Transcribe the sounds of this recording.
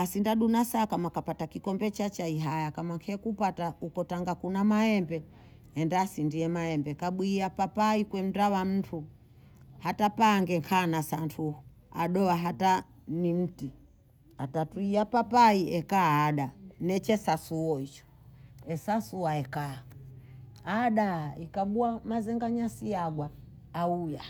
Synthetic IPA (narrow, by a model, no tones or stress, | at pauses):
asindaɗunasakamakapatakikɔmbɛt͡ʃat͡ʃaiɦajakamaŋkʰɛkupataukɔtaŋɡakunamaɛmbɛ | ɛndaːsindiɛmaɛmbɛkaɓwiːapapaikwɛm̩dawam̩tʰu | hatapaːŋɡɛŋkʰanasantʰuhu | a̰ɗɔaɦatanim̩ti | atatuiapapaiɛkaaːɗanɛt͡ʃɛsasuɔit͡ʃɔ̥ | ɛsasuwaɛkaː | aɗaikaɓuamazɛŋɡaɲasiaɡwaː | uja